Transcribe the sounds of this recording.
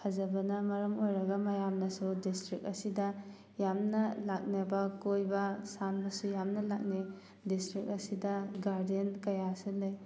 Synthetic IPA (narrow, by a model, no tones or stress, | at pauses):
kʰazɐbɐnɐmɐɾɐmojɾɐɡɐmɐjamnɐsudistɾik̚ɐsidɐ | jamnɐlak̚nebɐkojbɐsanbɐsujamnɐlak̚ni | distɾik̚ɐsidɐɡaɾdenkɐjasɯlɯj